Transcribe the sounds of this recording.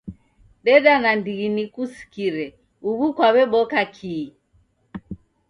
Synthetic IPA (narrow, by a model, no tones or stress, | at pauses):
ɗɛɗanandiɣinikusi̥kiɾɛ | uβukwaβɛɓɔkakʰiː